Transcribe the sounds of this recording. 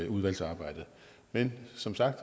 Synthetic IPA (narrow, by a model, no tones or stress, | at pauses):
uð̞ˠʋæl̰sɑ̈ːb̥ɑ̈ɪ̰d̥ð̩ˠ | mensɒ̽msɑ̈ɡ̥d̥